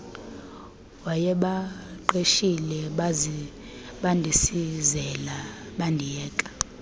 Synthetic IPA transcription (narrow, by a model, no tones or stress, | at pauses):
wajɛɓaǃeʃilɛ | ɓandʱisizɛlaɓandʱijɛːkʼḁ